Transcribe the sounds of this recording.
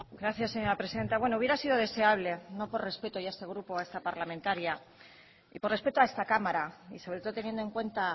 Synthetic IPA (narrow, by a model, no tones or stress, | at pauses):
ɡɾaθjasːe̞ɲo̞ɾapɾeiðe̞nt̪aβwe̞no̞uβje̞ɾasiðo̞ð̞e̞se̞aβ̞le̞no̞po̞rre̞spe̞t̪ojae̞st̪e̞ɣ̞ɾupoae̞st̪apaɾlamẽnt̪aɾja | ipore̞spe̞t̪oae̞st̪akamaɾaḭsoβɾet̪o̞ðot̪enjend̪oe̞ŋkwe̞nt̪a